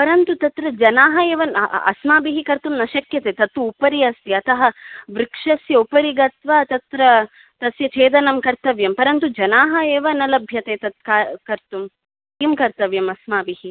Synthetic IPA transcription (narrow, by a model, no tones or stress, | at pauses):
pɐɾɐnt̪ut̪ɐt̪ɾɐd͡ʒɐnaːɦɐeːʋɐnɐ̰smaːbiɦikɐɾt̪umnɐʃɐkjɐt̪eːt̪ɐt̪uːpɐɾiɐst̪iɐt̪ʰɐɦɐʋɾikʂɐsjɐupɐɾiɡɐt̪ʋaːt̪ɐt̪ɾɐ | t̪ɐsjɐt͡ʃʰeːd̪ɐnɐmkɐɾt̪ɐʋjɐmpɐɾɐnt̪ud͡ʒɐnaːɦɐeːʋɐnɐlɐbʱjɐt̪eːt̪ɐt̪̚kakɐɾt̪um | iːmkɐɾt̪ɐʋjɐmɐsmaːbiɦi